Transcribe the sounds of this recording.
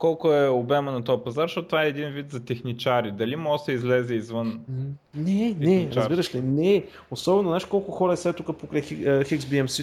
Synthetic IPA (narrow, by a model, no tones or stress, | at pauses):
kɔlˠkʊɛobɛmənɐt̪ɔjɐpɐzaɾʃtɔt̪t̪ovaɛɛd̪invit̪zɐt̪ɛxnit͡ʃaɾid̪ɐlimɔsɛizlɛzɛizvən | nɛnɛɾɐzbiɾəʃlinɛ | osɔbɛnozaʃkɔlˠkʊxɔɾɐɛsɛt̪ukəpokɾɛjxixikzbiɛmsi